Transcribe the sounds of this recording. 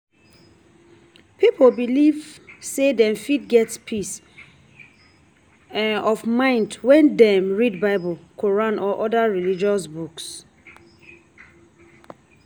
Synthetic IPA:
pipʰolbilivsedɛ̃mfidɡɛtspʰis | ɔfmãɪ̃ndwɛ̃ndɛ̃mɹidbaɪbəlkʰoɹãnʔɔʔɔdaɹilid͡ʒɔsbuks

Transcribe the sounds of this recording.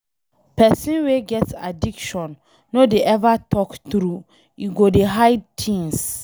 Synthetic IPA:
pɛsĩnweɡɛtsa̰dikʃɔ̃nː | odeʔɛvatʰɔktɾu | iɡodeɦaɪd̚tʰĩns

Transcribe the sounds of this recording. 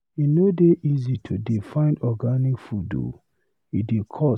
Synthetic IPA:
inodeʔizitʰudifãɪ̃ndɔɡanikfudo̰ | idekʰɔ

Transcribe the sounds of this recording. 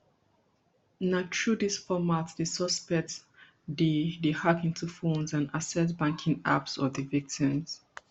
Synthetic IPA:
nat͡ʃɹudisfɔmatdisɔspɛk̚t | didihakĩntʰufõnzãnasɛtbãŋkʰĩŋa̰psɔvðəvik̚tʰĩmz̥

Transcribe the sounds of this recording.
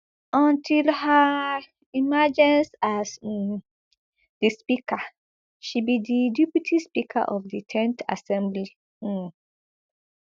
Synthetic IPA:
ɔ̃ntʰilha | imad͡ʒɛ̃nsas | dispikʰa | ʃibididipitʰispikʰa̰ʔɔfditʰɛ̃nta̰sɛ̃mbli

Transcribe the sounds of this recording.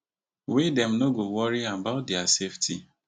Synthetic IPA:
wedɛmnoɡowɔɾiabaʊt̚dɛaseftʰi

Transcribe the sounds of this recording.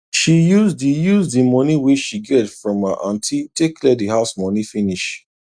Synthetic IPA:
ʃijuzdijuzdimɔ̃nĩweʃiɡɛtfɹɔ̃ma̰ʔãntʰitekʰlɛdiɦaʊsmɔ̃nĩfĩniʃ

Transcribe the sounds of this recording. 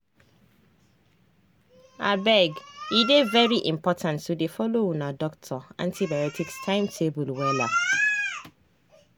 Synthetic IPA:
a̰bɛɡidevɛɹiʔĩmpɔtʰãntːudefɔlounadɔk̚tʰɔã̰ntʰibajɔtʰikstʰãɪ̃mtʰebulwɛla̰

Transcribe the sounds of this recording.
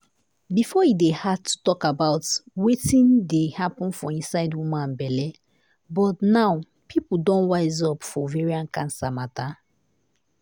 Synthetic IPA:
bifɔidehatʰːu̥tɔkabaʊtwetĩndehapə̃nfɔĩnsaɪdwumãnbɛlɛ | bɔtnaw | pʰipudɔ̃nwaɪzɔpfɔvɛɹiãnkãnsamata

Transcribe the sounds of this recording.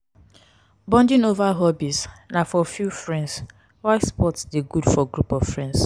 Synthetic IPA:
bɔ̃ndɪ̃novaɦɔbisnafɔfjufɹɛ̃nds | waɪspɔtsdeɡudfɔɡɾupɔv̥fɹɛ̃nds

